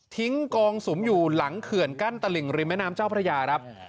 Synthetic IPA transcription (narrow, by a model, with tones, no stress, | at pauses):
t̪ʰi˦˥ŋkɔː˧ŋsu˩˦mjuː˨˩la˩˦ŋkʰɯ˨˩ənka˥˩nt̪a˧li˨˩ŋɾi˧mɛ˦˥naː˦˥mt͡ɕaː˥˩wpʰɾa˧jaː˧kɾa˦˥p̚